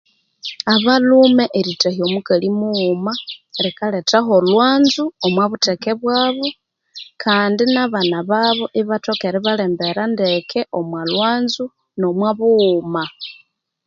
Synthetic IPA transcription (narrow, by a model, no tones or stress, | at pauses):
aβalumeʔeɾitahiomukalimumaɾikaletaɦo̞lwaːnzuomwaβutekeβwaːβo | kʰaːndinaβanaβaβoʔiβato̞keɾiβaleːmbe̞ɾandekʰeʔomwalwaːnzu | no̞mwaβuːma